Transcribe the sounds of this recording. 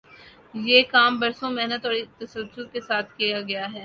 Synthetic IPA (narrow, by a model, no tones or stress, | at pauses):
jeːkaːmbɐɾsõmɛɦnət̪ɔːɾit̪ɐsəlsʊlkesaːt̪ʰkijaɡɐjaɦɛː